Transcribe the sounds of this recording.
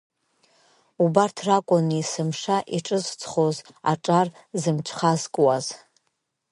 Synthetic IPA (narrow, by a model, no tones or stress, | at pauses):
ubartʰrakʷʼʊnisɨmʂaʔiʈ͡ʂʼɨzt͡sʰʼχoz | a̰ʈ͡ʂʼarzɨmt͡ʃʷʰχazkʼwaz